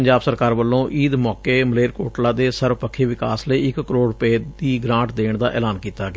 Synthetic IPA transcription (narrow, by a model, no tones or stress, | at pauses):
əɲd͡ʒaːbsəɾkaːɾʋəlːõːʔiːd̪mɔːkeːməleːɾkoːʈlaːd̪eːsəɾʋpəkʰːeːʋɪka̰ːsləiːɪkkəɾoːɽpeːd̪iːɡɾãːʈd̪eːɳd̪aːʔɛ̰ːlaːnkiːt̪aːɡː